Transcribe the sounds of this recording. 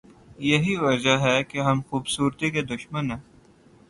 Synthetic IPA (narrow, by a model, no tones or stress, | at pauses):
jɐɦiʋɐd͡ʒəɦɛkeɦɐmxuːbsuːɾt̪iked̪ʊʃmənɦɛ̃ː